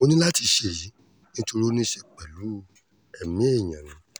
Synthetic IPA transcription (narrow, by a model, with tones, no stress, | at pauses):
o˧nĩ˦la˦ti˧ʃe˧˨ji˨˦ | nĩ˦to˧ɾo˦nĩ˦ʃɛ˧˨k͡pɛ˨lu˨˦ | ɛ˨mĩ˨˦e˦˨ɲ̃ã˨nĩ˨˦